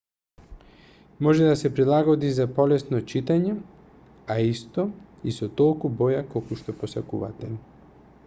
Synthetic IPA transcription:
mɔʒɛd̪asɛpɾilˠaɡɔd̪izapɔlɛsnɔt͡ʃit̪aɲɛ | aist̪ɔ | isɔt̪ɔlˠkubɔjakolˠkuʃt̪ɔposakuva̰t̪ɛ

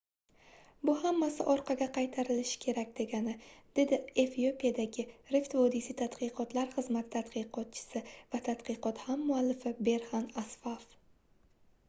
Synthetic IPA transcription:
bʊhamːasɪʔɒɾqʰɑɡʲaqʰɑjt̪ʰaɾɪlɪʃɪ̥kʲʰe̞ɾakʲd̪̥e̞ɡʲanɪd̪̥e̞d̪ɪe̞fio̞pijad̪aɡʲɪɾeft̪vɒd̪isit̪ʰat̪qɨqɒt̪laɾχɨzmat̪ʰɪt̪ʰat̪qɨqʰɒt̪̚t͡ʃʰɪ̥sɪvat̪ʰat̪qɨqɒt̪hamːʊalːɪfɪbe̞ɾhanasfaf

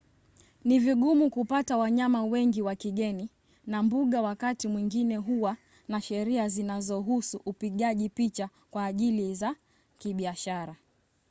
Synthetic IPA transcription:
niviɠumukupatawaɲamawɛŋɡiwakiɠɛni | nambuɠawakatimwiŋɡinɛɦuwa | naʃɛɾiazinazɔɦusuʔupiɠaʄipit͡ʃa | kwaːʄiliza | kiɓiaʃaɾa

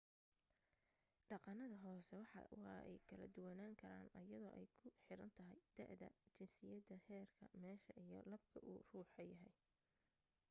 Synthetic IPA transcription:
ɖɑqɑnɐðɐɦɔːsɛwɑħɑ̰wɑːʔɛ̰jkʰɐlɐ̰d̪ʊwɑnaːŋkʰɐɾa̰ːnɐjɐðɔːʔɛjkʰʊħɪɾɐnt̪ʰɐɦɛjd̪̥ɛʕd̪ɐ̰t͡ʃɪnsɪjɐd̪ɐhɛːrkʰɐmɛːʃɐʔijɞ̰lɐb̚kʰɐʔṵːruːħɐjɐɦɛj

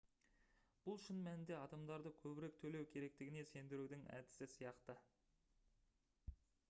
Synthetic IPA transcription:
b̥ʊlˠʃɪnmænɪnd̪e̞ɑd̪ɑmd̪ɑɾd̪əkʲʰɵbɪɾe̞k̚t̪ʰɵle̞wkʲʰe̞ɾe̞k̚t̪ɪɡʲɪne̞se̞nd̪ɪɾud̪ɪŋæ̰d̪ɪ̥sɪsijɑqt̪ə

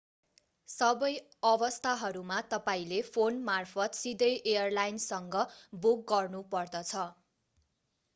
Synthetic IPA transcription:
sʌbʌj | ʌbʌst̪ʰaɦʌɾumat̪ʌpaĩlepʰonmarpʰʌt̪sid̪ʌjʔejʌrlajnsʌŋɡʌbuk̚ɡʌrnupʌrd̪ʌt͡sʰʌ

